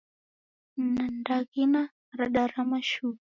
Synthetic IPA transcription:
n̩nandaɣina | ɾaɗaɾamaʃu

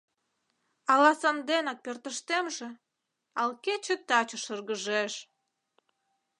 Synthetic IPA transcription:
ɑlɑsɑnd̪enɑk̚pert̪əʃt̪emʒĕ | ɑlket͡ɕet̪ɑt͡ɕə̆ʃərɣəʒeʃ

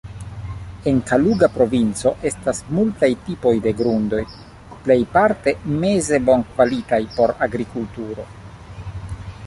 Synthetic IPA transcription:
e̞ŋkaluɡapɾo̞vint͡so̞ʔe̞stasmultajtipo̞jde̞ɡɾundo̞j | ple̞jpaɾte̞me̞ze̞bo̞nkvalitajpo̞ɾaɡɾikultuɾo̞̰

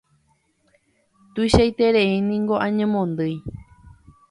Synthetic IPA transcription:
t̪uijʃajt̪e̞ɾeinĩŋɡo̞ʔãɲẽmõnd̪ɨj

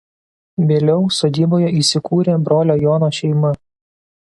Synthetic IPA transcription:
ʋʲeːlʲɛʊsoːd̪ʲiːboːjɛiːˑsʲɪkuːɾʲeːbɾoːlʲoːjoːnoːʃʲɛɪmɐ

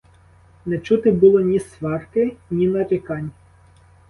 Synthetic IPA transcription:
nɛt͡ʃut̪ɪbulˠɔnʲisʋɑrkɪnʲinɐɾʲɪkɑnʲ

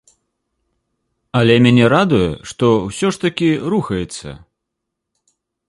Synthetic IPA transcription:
ɐlʲɛmʲanʲɛɾad̪ujɛ̰ʂt̪ɔwsʲɔʂt̪ɐkʲiɾuxɐjɛt̪sːɐ̰

